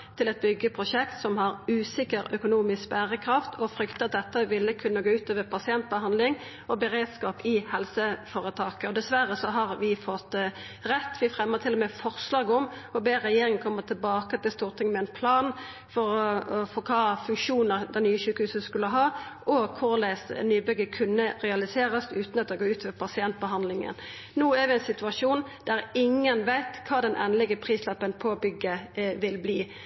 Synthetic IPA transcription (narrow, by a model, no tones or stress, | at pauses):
t̪ʰɪlɛt̪̚bʏɡːəpʰʁʊsɛkt̪sɔmhɑʁʉːsɪkəʁœkʊnuːmɪskbæʁəkʰɾɑft̪ʰɔfɾʏkt̪əɑt̪̚d̪ɛt̪ːəʋɪlːəkʰʉnːəɡoːʉːt̪øːʋəpʰɑsɪɛnt̪̚bəhɑnd̪lɪŋ | ɔbəʁeːd̪skɑːpɪhɛlsəfoːʁət̪ʰɑːkəɔd̪ɛsʋæʁːəsɔɦɑʁʋɪfɔt̪ː | ʁɛt̪ːʋɪfʁɛmːəʁt̪ʰɪlːɔmɛfɔʁslɑːɡəɔmɔbeːʁɛjeːɾɪŋənkʰɔmːət̪ʰɪlbɑːkət̪ɪlst̪uːʁt̪ʰɪŋmɛnpʰlɑːn | fɔʁfɔʁkʰɑːfʉŋkʂuːnəʁd̪ɛnyːəçʉːkəhʉːsəskʉləɦɑːʔɔkʰʊʁlæːsnyːbʏɡəkʰʉnːəʁɛɑlɪseːʁəsʉːt̪nɑt̪ɔɡoːʉːt̪ʋɛpʰɑsɪɛnt̪̚bəɦɑnd̪lɪŋə̰n | nuːæʁʋɛɛnsɪt̪ʉɑʂuːnd̪̥æɾɪŋːənʋæɪt̪kʰɑːd̪ɛnʔɛ̰ːnəlɪɡəpʰʁiːslɑpːənpʰobʏɡːəʋɪlbliː